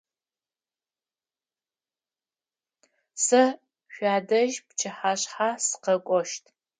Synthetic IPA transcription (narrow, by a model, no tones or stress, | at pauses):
sɐ | ʃʷaːdɐʒpt͡ʃʰɨħaːɕħasɨ̥qɐkʷʼɔʃtʰ